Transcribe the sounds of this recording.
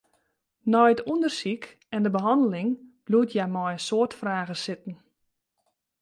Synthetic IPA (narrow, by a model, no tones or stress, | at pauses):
nɔjətundərsik | ɛndəbəɦɑndəlɪŋb̥luətʰjamɔjəsoətfraːɣəsɪt̚n̩